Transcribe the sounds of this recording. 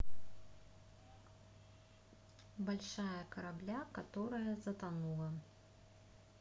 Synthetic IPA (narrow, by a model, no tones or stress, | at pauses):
balʲʂajɐkɐɾablʲakat̪ɔɾɐjɐzɐt̪anulˠɐ